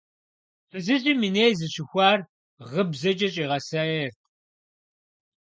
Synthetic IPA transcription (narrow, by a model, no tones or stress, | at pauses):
fɨzɨʑʼimɨneːjzɨɕɪxʷɑːr | ʁəbzɐd͡ʒʼɐɕʼiːʁɐsɐertʼ